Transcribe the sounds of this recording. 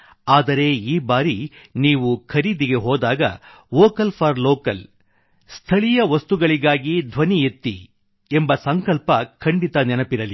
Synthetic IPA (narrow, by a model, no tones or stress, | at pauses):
aːd̪ɐɾe̞iːbaːɾiniːʋukʰɐɾiːd̪iɡe̞ɦɔːd̪aːɡɐ̰ | ʋɔːkɐlpʰɐɾloːkɐl | st̪ʰɐɭijɐʋɐst̪uɡɐɭiɡaːɡid̪ʱʋɐniet̪ːḭ | embɐsɐŋkɐlpɐkʰɐɳɖit̪ɐnɛnɐpiɾɐli